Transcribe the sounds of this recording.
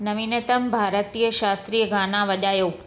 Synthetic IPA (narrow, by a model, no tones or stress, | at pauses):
nəʋinet̪əmbʱaɾət̪ijəʃast̪ɾijəɡãnaʋəd͡ʒajo